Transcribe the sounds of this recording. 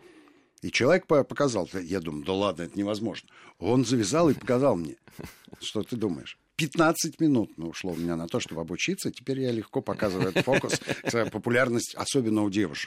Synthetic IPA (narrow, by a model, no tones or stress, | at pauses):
it͡ɕɪlˠɐvʲek̚pəpəkɐzɑlˠd̪əjad̪uməjˠd̪əlˠad̪nəɛt̪ənʲɪvɐzmo̞ʐnəo̞nzəvʲɪzalˠɨpəkɐzɑlˠmnʲeʂt̪ot̪ɨd̪umə̰jɪ̰ʂ | pʲɪt̪nat̪sɨtʲmʲɪnut̪nəʊʂlˠoʊmʲɪnʲanɐt̪o̞ʂt̪o̞bəɐbʊt͡ɕit̪sːətʲɪ̥pʲeɾʲjalʲɪxko̞pɐkazɨvəjɛt̪t̪fo̞kʊst̪əpəpʊlʲarnəsʲtʲɐ̰sobʲɪnːəʊdʲe̞vʊʂə̥k